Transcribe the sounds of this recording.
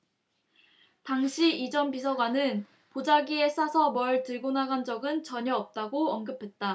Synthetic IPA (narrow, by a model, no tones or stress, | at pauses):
taŋɕʰiid͡ʑʌnbisʰʌɡwanɯn | pod͡ʑaɡie̞s͈ʰasʰʌmʌɭtɯɭɡonaɡand͡ʑʌɡɯnt͡ɕʌɲʌʌp̚t͈aɡoʌnɡɯpʰe̞t̚t͈a